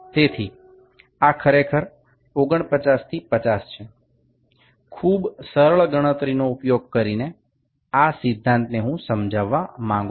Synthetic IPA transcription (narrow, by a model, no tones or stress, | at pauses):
t̪et̪ʰi | akʰəɾekʰəɾ | oɡəɳ̃pət͡ʃast̪ʰipət͡ʃast͡ʃʰe | kʰubsəɾəɭɡəɽ̃ət̪ɾinoupjoɡ̚kəɾine | asɪd̪ʱːãnt̪neɦũsəmd͡ʒaʋːamãŋɡu